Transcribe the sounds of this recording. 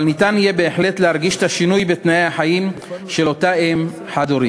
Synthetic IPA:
lnitanijebe̞ːħle̞tleɦaʁɡiʃe̥taʃinujbet̪naejaħajim | ʃe̞lo̞taem | ħad̪oɾi

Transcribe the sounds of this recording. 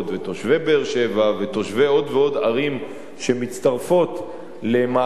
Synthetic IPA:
tveto̞ʃve̞beːʁʃe̞vavet̪o̞ʃveo̞d̪veo̞daʁim | ʃe̞mit͡st̪aʁfo̞t̪ | le̞ma

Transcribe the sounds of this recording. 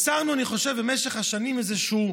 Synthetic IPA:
saʁnuaniχoʃevbemeʃeχhaʃanimezeʃu

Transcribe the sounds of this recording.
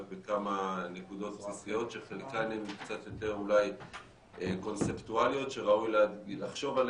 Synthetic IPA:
bekamanekud̪o̞t̪̚psisijo̞tʃeχelkanemkt͡sat̪jo̞t̪e̞ʁulaj | eko̞nt͡se̞ptualijo̞t̪ʃe̞ʁaujleadilaχʃo̞val

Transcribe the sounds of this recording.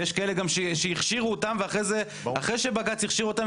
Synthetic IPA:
jeʃkaeleɡamʃeʃeiχʃiʁuotamveaχʁejze | aχʁeʃebaɡat͡siχʃiʁuot̪am

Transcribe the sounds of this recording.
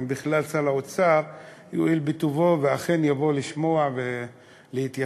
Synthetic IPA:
mbiχlalt͡salaot͡saʁ | joilbit̪uvo̞veaχe̞njavo̞liʃmo̞ave | lehit̪ja

